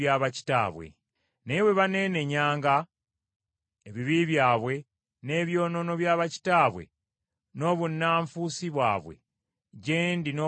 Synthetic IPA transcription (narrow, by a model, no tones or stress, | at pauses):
jaːβaci̥ta̰ːβwe̞̰ | neβwe̞βane̞ne̞ɲaːŋɡa | eβiβiβjaːβwe̞ | ne̞ːβjo̞ːno̞no̞βjaːβaci̥taːβwe̞̰ | no̞ːβunːaːɱfusiβwa̰ːβwe̞̰ | ɟeːndino